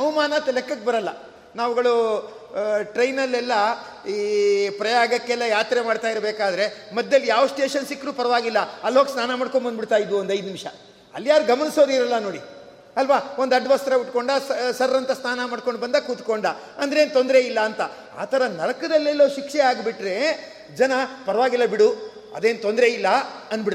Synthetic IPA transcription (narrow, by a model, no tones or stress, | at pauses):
ɐwmaːnɐt̪ɐlekːɐkːebɐɾɐlːɐ | naːʋuɡɐɭu | ʈɾɐjnɐlːɛlːɐ | ipɾɐjaːɡɐkːɛlːɐjaːt̪ɾemaːɖt̪aːjiɾbeːkaːd̪ɐɾe̞mɐd̪jɐlːijaːʋsʈe̞ːʂɐnsikːɾuːpɐɾɐʋaːɡilːɐɐlːoɡsnaːnɐmaːɽkoɳbɐnd̪biɽt̪aːjid̪ʋuond̪ɐjd̪nimʂɐ̰ | ɐ̰lːjaːɾuɡɐmɐniso̞ːd̪iɾɐlːɐno̞ːɽi | ɐlʋaːo̞nd̪ɐɖːʋɐst̪ɐɾɐbiʈko̞ɳɖɐsɐɾːɐnt̪ɐsnaːnɐmaːɽko̞ɳɖbɐnd̪ɐkuːt̪ko̞ɳɖɐ | ɐnd̪ɐɾeːnt̪o̞nd̪ɐɾeilːɐːnt̪ɐ | a̰ːt̪ʰɐɾɐnɐɽɐkɐd̪ɐlːɛlːoːʃikʂɛaːɡbiʈɾe̞ | d͡ʒɐnɐpɐɾɐʋaːɡilːɐbiɽu | ɐ̰d̪eːnt̪ond̪ɾeilːɐɐnːbiɽ